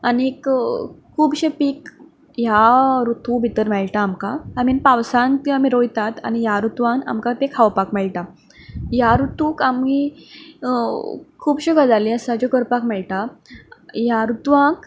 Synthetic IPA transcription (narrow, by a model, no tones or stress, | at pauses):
aniekkʰːuːbɕepik | jaɾut̪ʰubʱit̪əɾmɛɭʈaːmkaam̤inpawsant̪iam̤iɾojt̪at̪a̰ñijaɾut̪ʋãna̰mkat̪ẽkʰaʋpakmɛɭʈa | jaɾut̪uːkami | kʰuːbɕuɡad͡zaliəsãd͡ʑokəɾpakmɛɭʈa | jaɾut̪ʋãk